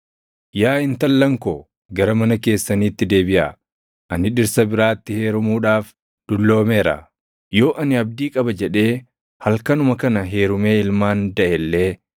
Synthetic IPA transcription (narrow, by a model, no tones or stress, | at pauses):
jaːɪnt̪ɐlːɐŋkoː | ɡɐɾɐmɐnɐke̞ːsːɐniːt̪ːɪd̪e̞ːbɪʔɐ̰ | ʔɐnɪᶑɪɾsɐbɪɾaːt̪ːɪhe̞ːɾʊmuːᶑaːf | d̪̥ʊlːo̞ːme̞ːɾɐ̰ | jo̞ːʔɐnɪɐb̚d̪iːkʼɐbɐd͡ʒɛᶑe̞ː | hɐlkɐnʊmɐkɐnɐɦe̞ːɾʊme̞ːɪlmaːnd̪ɐʔɛlːe̞ː